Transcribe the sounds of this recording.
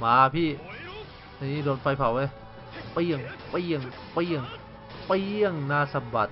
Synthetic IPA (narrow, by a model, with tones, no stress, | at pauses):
maː˨˦˧pʰiː˧˩˨ | a˧˨niː˧˥˨do˧˩n̚fa˧jpʰa˨˩wʔe˧˨ | pa˧ji˧˩əŋpa˧ji˧˩əŋ | pa˧jʔi˧˩əŋ | pa˧ji˧˩əŋnaː˧˨sa˧ba˨˩t̪̚